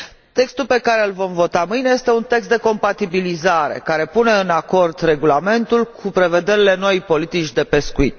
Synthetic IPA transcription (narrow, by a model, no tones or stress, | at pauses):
t̪e̞kst̪ulpe̞kaɾe̞ɨlvo̞mvo̞t̪amɨjne̞je̞st̪e̞unt̪e̞kst̪d̪e̞ko̞mpat̪ibilizaɾe̞̰kaɾe̞pune̞ɨnako̞rd̪re̞ɡulame̞nt̪ulkʰupɾe̞ve̞d̪e̞ɾile̞no̞jpo̞lit̪it͡ʃʲd̪e̞pe̞skuit̪